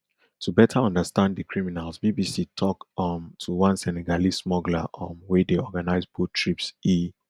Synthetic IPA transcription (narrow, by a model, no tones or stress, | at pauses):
tʰubɛtʰaɔ̃ndəstãndðəkʰɹiminalzbibisitʰɔkʌmtʰuwãnsɛnɛɡalismɔɡlaʔɔ̃mwɛdeɔɡanaɪzbutʰɹipsi